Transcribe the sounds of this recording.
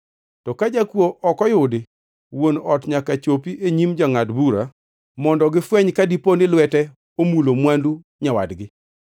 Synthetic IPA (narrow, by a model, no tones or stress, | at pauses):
tɔkad͡ʒakwoʔɔkɔjʊdɪ | wonɔtɲakat͡ʃopiʔeɲimd͡ʒaŋadbuɾa | mɔndɔɡɪfwɛɲkadiponɪlwɛtɛ | omulomwandu | ɲawa̰dɡɪ